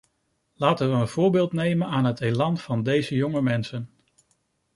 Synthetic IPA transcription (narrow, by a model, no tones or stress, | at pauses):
laːtənʋəənv̥ʊːɹbɪːlˠtnejmənaːnɦətejlɑnvɑndejzəjɔŋəmɛnsən